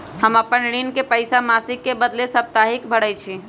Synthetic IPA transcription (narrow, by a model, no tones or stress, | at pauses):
həməpːənɽinkepəɪsamasikːebəd̪lesəp̚t̪aɦikbʱəɽət͡ʃʰi